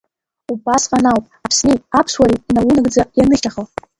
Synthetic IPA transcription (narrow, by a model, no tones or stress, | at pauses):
ubasqʼanawpʼapʰsnejapʰʂwaɾiinawunaɡd͡zajanɨʃʲaχal